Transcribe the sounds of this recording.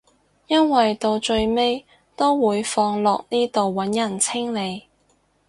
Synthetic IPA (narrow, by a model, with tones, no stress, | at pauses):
jɐ˥nwɐ˨jt̪o˧wt͡ʃɵ˧ɥme˥j | t̪o˥wwuː˨˧jfɔː˧ŋlɔː˨k̚niː˥t̪o˨wːɐ˨˥njɐ˨˩nt͡sʰɪ˥ŋle˨˧j